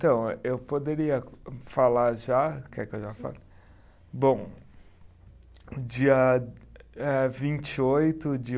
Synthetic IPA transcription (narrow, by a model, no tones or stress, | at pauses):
t̪ɐ̃w̃ewpod̪eɾiɐfalaɾʒakɛkɪewʒafa̰l | bõw̃ | d͡ʒiɐ | ɛvĩnt͡ʃɪojt̪ʊd͡ʒɪ